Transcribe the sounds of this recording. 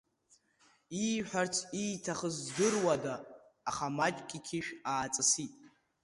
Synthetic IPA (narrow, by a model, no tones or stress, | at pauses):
iħʷᶣart͡sʰijtʰaχəzdɨrwadaː | χamat͡ʃʲʼkʲʼikʲʰiʃᶣaːt͡sʼɨsitʼ